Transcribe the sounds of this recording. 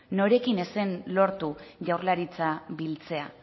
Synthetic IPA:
no̞ɾe̞kine̞se̞nlo̞ɾt̪uʝawɾlaɾit͡sabilt͡se̞a

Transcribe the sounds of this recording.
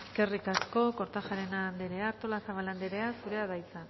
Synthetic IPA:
ke̞rikasko̞ko̞ɾt̪axaɾenand̪eɾe̞aːɾt̪o̞lasaβaland̪eɾe̞asuɾe̞aðajt͡san

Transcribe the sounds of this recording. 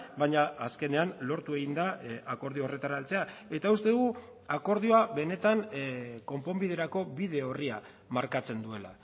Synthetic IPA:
baɲaːske̞ne̞anlo̞ɾt̪ue̞ɣind̪aako̞ɾð̞ioore̞t̪aɾalt͡se̞ae̞t̪aust̪e̞ðuɣu | ako̞ɾð̞io̞aβe̞ne̞t̪anko̞mpo̞mbið̞eɾako̞βið̞e̞o̞ria | maɾkat͡se̞nd̪ue̞la̰

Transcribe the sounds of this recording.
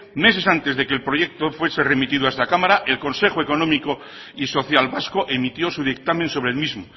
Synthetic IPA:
me̞se̞sant̪e̞zðe̞kelpɾo̞ʝe̞k̚t̪ofwe̞se̞re̞mit̪iðwaest̪akamaɾaʔe̞lko̞nse̞xoe̞ko̞nõ̞miko | iso̞θjalβasko̞ʔe̞mit̪jo̞suðik̚t̪amẽ̞nso̞β̞ɾe̞lmizmo

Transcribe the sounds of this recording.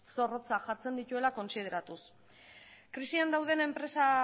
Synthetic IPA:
so̞ro̞t͡saʝat͡se̞nd̪it̪ue̞lako̞nsið̞e̞ɾat̪us | kɾisiand̪awðe̞ne̞mpɾe̞sa

